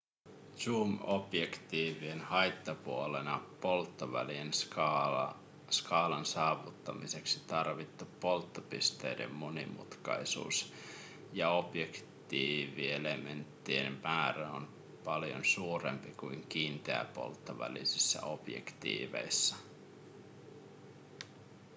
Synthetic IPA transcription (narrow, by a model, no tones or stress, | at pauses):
suːmopjekt̪iːʋienhɑjt̪ːɑpuolenɑpo̞lt̪ːoʋælien | skɑːlɑnsɑːʋut̪ːɑmise̞ksi̥t̪ɑrʋit̪ːupːo̞lt̪ːopist̪e̞ide̞̰mːonḭmṵt̪kɑ̰isṵːs | jɑo̞pjekt̪iːʋie̞lement̪ːiḛmmæːɾæo̰n | pɑljo̰nsuːre̞̰mpikuiŋk̟iːnt̪eæ̰po̞̰lt̪ːoʋæ̰lḭsisːæ̰o̞pjḛkt̪ḭːʋe̞̰jsːɑ